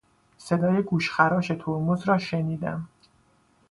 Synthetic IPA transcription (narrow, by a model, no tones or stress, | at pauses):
se̞d̪ɒːjeɡuːʃxæɾɒːʃe̞t̪ʰoɾmuzɾɒːʃe̞niːd̪æ̰m